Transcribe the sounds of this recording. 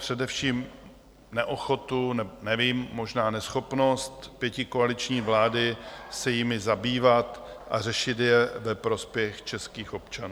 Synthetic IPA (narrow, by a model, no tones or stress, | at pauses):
pr̝̥ɛdɛfʃiːm | nɛʔo̞xo̞t̪unɛbonɛviːmːo̞ʒnaːnɛsxo̞pno̞st̪pjɛcɪkoalɪt͡ʃɲiːvlaːdɪsɛjɪmɪzabiːvat̪ʔa̰r̝ɛʃɪt̪jɛvɛpɾo̞spjɛxt͡ʃɛskiːxʔo̞pt͡ʃanuː